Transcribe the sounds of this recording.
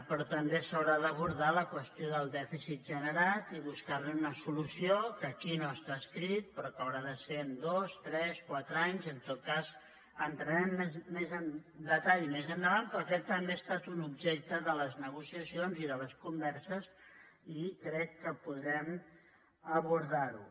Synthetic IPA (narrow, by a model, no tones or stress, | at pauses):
pɾɔt̪əmbesəwɾaðəβuɾðaləkwəst̪ioðəlˠd̪ɛfisit̪̚ʒənəɾat̪iβuskarnuunəsulusiokəkinoəst̪aːskɾit̪̚pɾɔkəwɾaðəsend̪ost̪ɾɛskwat̪ɾəaɲzənt̪ot̪̚kaz | ənt̪ɾənɛmːezmezənd̪ət̪aʎmezənd̪əβant̪pɾɔkɛt̪ːəmbest̪at̪unubʒek̚t̪əðələznəɣ̞usiəsionziðələskumbɛɾsəz | ikɾɛkːəpuðɾɛm | əβuɾðaɾu